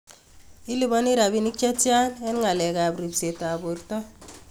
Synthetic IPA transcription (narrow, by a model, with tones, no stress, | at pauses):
i˦li˨bɔ˦ni˦ɾa˨bi˦ni˦k̚t͡ʃa˦tja˦nɛ˦nŋa˨lɛ˨ka˨bɾi˨bse˨ta˨bo˨ɾtɔ˦